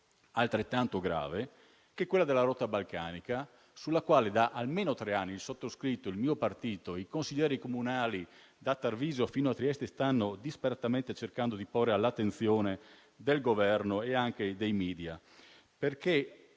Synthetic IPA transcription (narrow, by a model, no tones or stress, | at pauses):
alt̪ɾet̪ːant̪oɡɾa̰ːve | k̟ekːwelːad̪elːaɾɔt̪ːabalka̰ːnika | sulːakwaːled̪aʔalmeːnot̪ɾeanːilsot̪ːoskɾit̪ːoilmiːopart̪iːt̪oikonsiʎːɛːɾikomunaːli | d̪at̪ːarviːzofiːnoat̪ːɾiɛst̪est̪anːod̪ispaɾat̪ament̪et͡ʃerkand̪od̪iporːealːat̪ːent̪sjoːne | d̪elɡovɛrnoeaŋk̟ed̪ejmiːd̪ja | perke